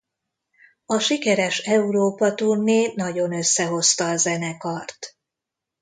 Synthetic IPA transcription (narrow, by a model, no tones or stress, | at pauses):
ɒʃikɛɾɛʃɛuɾoːpɒt̪urneːnɒɟo̞nø̞sːɛɦo̞st̪ɒːzɛnɛkɒrt̪